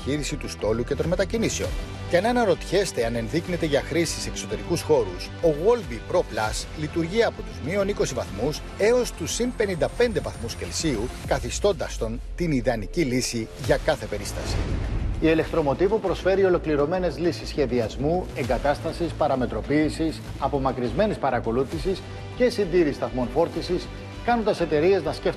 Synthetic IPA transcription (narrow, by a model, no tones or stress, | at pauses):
çiɾisit̪ust̪o̞luce̞t̪o̞nmet̪ɐciniseo̞̰n | ceɐnenɐɾo̞t̪çe̞st̪eɐne̞nðikne̞t̪e̞ʝɐxɾisi̥se̞kso̞t̪e̞ɾikusxo̞ɾuso̞ɣo̞lbipɾo̞plɐslit̪uɾʝiɐːpo̞t̪uzmio̞niko̞sivɐθmus | e̞o̞st̪usimpe̞nind̪ɐpe̞nd̪e̞vɐθmusce̞lsiukɐθist̪o̞nd̪ɐst̪o̞nt̪iniðɐnicilisi | ʝɐkɐθe̞pe̞ɾist̪ɐsḭiele̞kt̪ɾo̞mo̞t̪ivupɾo̞sfe̞ɾio̞lo̞kliɾo̞me̞ne̞zlisisçe̞ðiɐzmue̞ŋɡɐt̪ɐst̪ɐsispɐɾɐme̞t̪ɾo̞piːsisɐpo̞mɐkɾizme̞nispɐɾɐko̞luθisis | ce̞sind̪iɾist̪ɐθmo̞nfo̞ɾt̪isis | kɐnond̪ɐse̞t̪e̞ɾie̞znɐsceft̪